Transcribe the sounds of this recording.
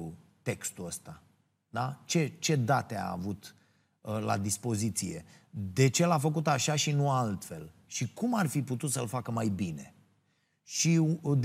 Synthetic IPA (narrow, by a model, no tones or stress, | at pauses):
ut̪e̞kst̪uəst̪a | d̪at͡ʃe̞t͡ʃe̞d̪at̪ea̰ːvut̪ | la̰d̪ispo̞zit̪sije̞̰d̪e̞t͡ʃe̞lafəkut̪aʃaʃinualt̪fe̞lʃikumarfiput̪ut̪səlfakəmajbine̞̰ | ʃid̪